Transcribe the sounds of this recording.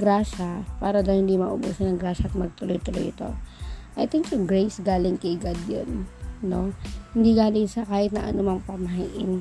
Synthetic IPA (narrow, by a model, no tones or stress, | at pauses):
ɡɾaːʃɐpaːɾɐd̪ɐwhɪnd̪imɐʔobusɐnɐŋɡɾaːʃɐʔɐt̪̚mɐɡ̚t̪ʊlojt̪ʊlo̰jt̪o̞̰ʔɐjt̪ɪŋkjʊŋɡɾɛjsɡaːlɪŋkɐɡad̪jo̰nːo̞hɪnd̪iɡaːlɪŋsɐkaːhɪt̪̚nɐʔɐ̰nʊmɐŋpɐmɐɦaʔɪn